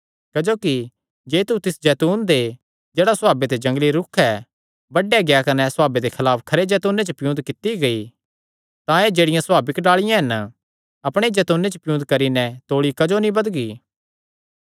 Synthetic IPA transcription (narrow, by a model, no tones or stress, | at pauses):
kɐd͡ʒoːki | d͡ʒeːt̪ut̪ɪsd͡ʒɛːt̪uːnd̪e | d͡ʒeːɽasaːbet̪ed͡ʒɐ̃ŋɡliɾʊkʰɛ | bɐɖɛɡeakɐnɛsʊaːbed̪ekʰɐlaːpkʰɐɾed͡ʒɛːt̪uːnet͡ʃəpɪjũːnd̪kɪt̪iɡɐi | t̪ãeːd͡ʒeːɽɪjãswaːbɪkɖaːɭɪjãɦɐn | ɐpɽ̃ed͡ʒɛːt̪uːnːet͡ʃəpɪjũːd̪̚kɐɾinɛt̪oːɭikɐd͡ʒonĩbɐd̪ɡiː